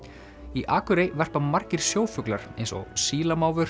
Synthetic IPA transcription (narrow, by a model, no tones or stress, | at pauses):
iʔaːkʏɾejvɛr̥pamar̥cɪɾ̥sjoːwfʏklaɾ̥ḛjnso̰siːlamaːwvʏɾ̥